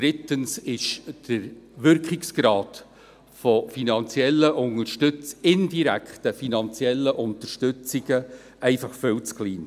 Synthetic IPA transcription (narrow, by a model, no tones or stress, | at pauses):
d̥ɾɪtənsɪʃd̥əɾʋʏɾkχɪksɡ̥ɾɑːt | fɔfinɑnt͡sjɛlːəʔʊnəɾʃtɵt͡sɪnd̥iɾæ̰kχtəfinɑnt͡sjɛlːəʔʊntəɾʃtʏt͡siɡ̥ə | ɛɪfɑχfʏlt͡skliːn